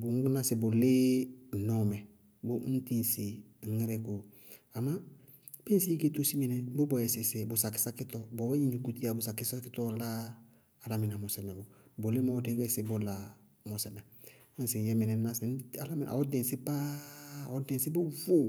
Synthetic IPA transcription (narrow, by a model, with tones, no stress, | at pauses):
bŋ̩˦ɡu˦na˦sɪ˨bʊ˨lɪ˦˨nɔ˦˨mɛ˨ | bʊ˦n̩˦ti˦n˨si˨ | ŋ̩˦ŋ˦ɾɛ˦ko˨ | a˨mã˦ | be˦n˦si˦i˦ke˦to˦si˦mi˨nɛ˨bʊ˦bɔ˨jɛ˨sɪ˨sɪ˨bʊ˨sa˨kɪ̥˦sa˦kɪ˦tɔ˦bɔ˨˦bɛ˦ɲi˦ɲu˨ku˦ti˦a˨bʊ˨sa˨kɪ˦sa˦kɪ˦tɔ˦laː˦˨ | la˨mɪ˨na˨mɔ˨sɛ˨mɛ˨bʊ˨bo˨le˦mɔ˦te˦kɛ˦sɪ˨bʊ˦la˨ | mɔ˨sɛ˨mɛ˨ | ɔ˦sɪ˨jɛ˦mɪ˨nɛ˨na˦sɪ˨n˦a˨la˦mi˨nʔa̰˨ɔ˦dɛ̃˨sɪ˦pa˦˨ɔ˦dɛ̃˨sɪ˦bo˦vu˦